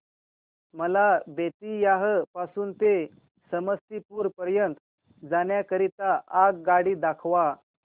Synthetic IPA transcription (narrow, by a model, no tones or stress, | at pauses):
məlabet̪ijaɦəpasuːnt̪e | səməst̪ipuːɾpəɾjənt̪ | d͡zaɳjakəɾit̪aʔːɡɡaɽiːd̪akʰʋa